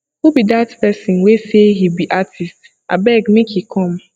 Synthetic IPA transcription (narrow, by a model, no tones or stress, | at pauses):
hubidatpɛsĩnweseɦibiʔatʰist | ʔa̰bɛɡmekikʰɔ̃m